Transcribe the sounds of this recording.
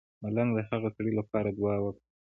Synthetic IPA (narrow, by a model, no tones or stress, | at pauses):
malaŋɡd̪ahaɣasaɽilapɑɾad̪wɑwək